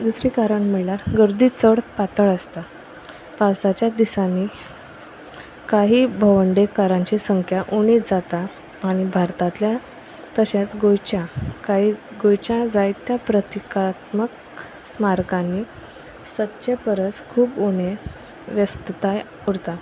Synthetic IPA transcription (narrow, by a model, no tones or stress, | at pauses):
d̪usɾiːkaɾəɳm̤əɭlaɾɡəɾd̪iːt͡səɽpat̪əɭəst̪a | pawsat͡ɕjad̪isãni | kaɦiːbʱəʋəɳɖekaɾãɲt͡ɕiːsəŋkʰjaʔuɽ̃ed͡zat̪aː | ɽ̃ibʱaɾt̪ãt̪lja | t̪əɕat͡sɡojt͡ɕakaɦiːɡojt͡ɕãd͡zajt̪japɾət̪ikat̪mək | smaɾkãnːi | sət̪ːɕepəɾət͡skʰuːpoɽ̃e | ʋjəst̪t̪aj | uɾt̪a